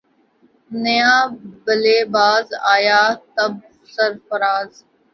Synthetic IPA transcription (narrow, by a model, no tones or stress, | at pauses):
nəjãːbəleːbaːzaːjaːt̪əb̚ | səɾfəɾaːz